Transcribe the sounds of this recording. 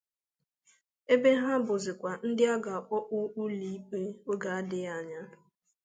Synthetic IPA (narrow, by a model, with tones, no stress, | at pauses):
e˦be˦ɦa˦bʊ˨zɪ˨kʷa˨n̩˦dɪ˦a˦ɡa˨a˨k͡pɔ˦ʔu˦u˦li˦k͡pe˦o˦ɡa˨a˦dɪ˦a˨ɲa˦